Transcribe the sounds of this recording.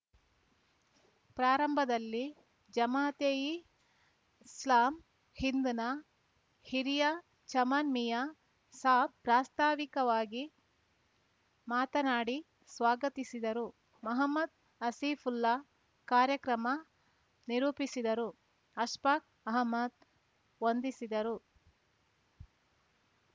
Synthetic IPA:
pɾaːɾɐmbʱɐd̪ɐlːi | d͡ʒɐmaːt̪eːji | slaːm | hind̪unɐ | hiɾijɐ | t͡ʃɐmɐnmijɐ | saːbpɾaːst̪aːʋikɐʋaːɡi | maːt̪ɐnaːɽi | sʋaːɡɐt̪isid̪ɐɾu | mɐɦɐmːɐd̪̚ | ɐsiːfʰulːɐ | kaːɾjɐkɾɐmɐ | niɾuːpisid̪ɐɾu | ɐʃpak̚ | ɐɦɐmːɐd̪̚ | ʋond̪isid̪ɐɾu

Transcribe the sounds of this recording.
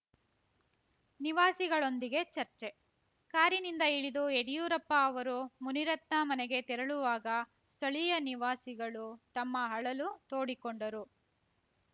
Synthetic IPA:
niʋaːsiɡɐɭo̞nd̪iɡe̞t͡ʃɐɾt͡ʃe̞ | kaːɾinind̪ɐiɭid̪ueɽijuːɾɐpːɐːʋɐɾumuniɾɐt̪nɐmɐnɛɡe̞t̪ɛɾɐɭuʋaːɡɐ | st̪ʰɐɭijɐniʋaːsiɡɐɭut̪ɐmːɐɦɐɭɐlut̪o̞ːɽikoɳɖɐɾu

